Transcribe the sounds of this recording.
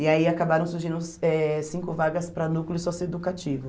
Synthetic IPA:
ɪaiakabaɾɐ̃w̃suɾʒĩnd̪ʊsɛsĩkʊvaɡɐspɾɐnuklɪʊsɔsed̪ukat͡ʃivʊ

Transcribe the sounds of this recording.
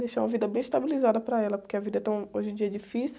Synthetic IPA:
d̪ejʃaũmɐvid̪ɐbẽj̃iʃt̪abilizad̪ɐpɾɐɛlɐpo̥ɾkeɐvid̪ɐt̪ɐ̃w̃oʒɪ̃d͡ʒiɐd͡ʒifis

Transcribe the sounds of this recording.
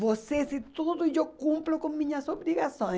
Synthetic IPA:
bosesit̪uðoid͡ʒokũmplokõŋmĩɲasoβɾiɣasõ

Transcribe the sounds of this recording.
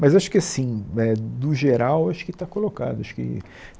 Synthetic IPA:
mɐzaʃʊ̥kɪasĩɛd̪ʊʒeɾawaʃʊ̥kɪt̪akoloka̰d̪ʊaʃʊ̥kɪ̰

